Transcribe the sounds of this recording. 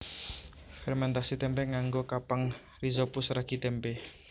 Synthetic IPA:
fɛrmɛnt̪asit̪ɛmpɛŋaŋɡokapaŋ | rizopusraɡ̥i̤t̪ɛmpe

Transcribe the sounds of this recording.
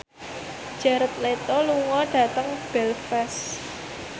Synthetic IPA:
d͡ʒ̥aɾət̪̚let̪ɔluŋɔɖ̥ä̤t̪əŋb̥ɛlfɛs

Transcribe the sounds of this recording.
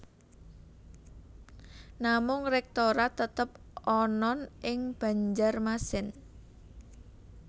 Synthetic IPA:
namʊŋrɛk̚t̪oɾat̪ət̪əp | ɔnɔnʔɪŋb̥ä̤ɲd͡ʒarmasɪn

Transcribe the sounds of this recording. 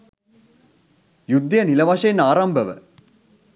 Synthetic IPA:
jud̪ːjɐnilɐʋɐʂɐjenaːɾɐmbəʋə̰

